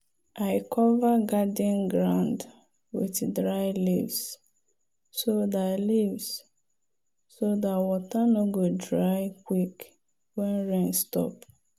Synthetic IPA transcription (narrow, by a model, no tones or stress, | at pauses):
aɪkʰɔvaɡadĩnɡɾãnd | wḭtdɹajlivs | sodalivs | sodawɔtanoɡodɹaɪkwik | wɛ̃nɹẽnstɔ̰p